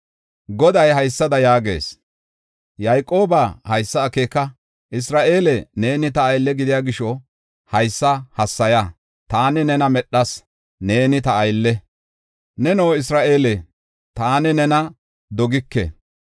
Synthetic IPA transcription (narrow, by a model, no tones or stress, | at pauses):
ɡɔd̪ɐjɦɐjsːɐd̪ɐjaːɡe̞̰ːs | jɐjkʼːo̞ːbahɐjsːɐːkeːkːɐ | ʔɪs̬ɾaːʔe̞ːlɛne̞ːnɪt̪ɐːjlːɛɡɪd̪ɪjaːɡɪʃɔ | hɐjsːɐhɐsːɐjɐ | t̪aːnɛnɛnɐmɛɗːɐs | ne̞ːnɪt̪ɐːjlːɛ | nɛno̞ːɪsɾaːʔe̞ːlɛ | t̪aːnɛnɛnɐ | d̪ɔɡɪkːɛ̰